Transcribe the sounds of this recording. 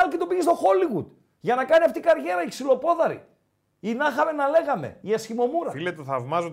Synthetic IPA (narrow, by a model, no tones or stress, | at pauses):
ɐlcet̪opiʝist̪o̞xo̞liɣud̪ | ʝɐnɐkɐniɐft̪ikɐɾʝe̞ɾɐiksilo̞po̞ðɐɾḭ | inɐxɐme̞nɐle̞ɣɐme̞̰iɐsçimo̞muɾɐfilet̪eθɐvmɐzo